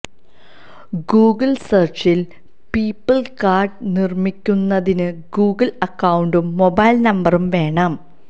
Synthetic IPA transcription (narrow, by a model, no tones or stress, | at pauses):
ɡuːɡɐlsɐrt͡ɕil | piːpːɨlkaːrɖnirmikʲːunːɐðinɨɡuːɡɐlɐkːɐwuɳɖumːo̞bɐjlnɐmbɐrumʋe̞ːɳaːm